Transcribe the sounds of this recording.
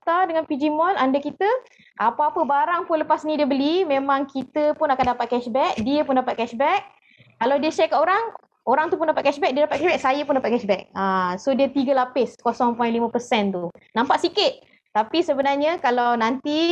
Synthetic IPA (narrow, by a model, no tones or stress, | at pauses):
t̪adəŋanpid͡ʒimɔnlandakit̪ə | ʔapaapəbaɾaŋpʊnləpasnĩdiəbəlimẽmãŋkit̪əpʊnakandapat̪̚kɛʃbɛk̚diəpʊndapat̪̚kɛʃbɛk̚ː | alawdiəʃɛkːaʔoɾaŋ | oɾaŋt̪upʊndapat̪̚kɛʃbɛk̚diədapat̪kɛʃbɛk̚sajəpʊndapat̪̚kɛʃbɛk̚asodiət̪iɡəlapɪskosɔŋpɔjnʔlimə̃pəsɛnt̪unãmpaʔsikɪt̪̚ | t̪apisəbənarɲəkalawnant̪i